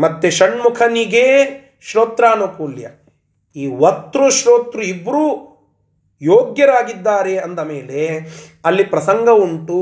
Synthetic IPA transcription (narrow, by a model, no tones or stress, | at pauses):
mɐt̪ːeʃɐɳmukʰɐniɡe | ʃɾoːt̪ɾaːnukuːljɐ̰ | iːʋɐt̪ːɾuʃɾoːt̪ɾuibɾuː | joːɡjɐɾaːɡid̪ːaːɾeɐnd̪ɐmeːle̞ɐlːipɾɐsɐŋɡʱɐuɳʈu